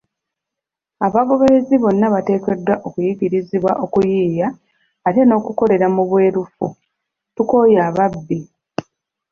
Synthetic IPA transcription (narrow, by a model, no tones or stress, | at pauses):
aβaɡo̞βeɾeziβo̞nːaβate̞ːke̞dːwaʔo̞kujiɡiɾiziβwa̰ʔo̞kujiːjaː | te̞no̞ːkuko̞le̞ɾamuβwe̞ːɾufṵ | tuko̞ːjaːβabːi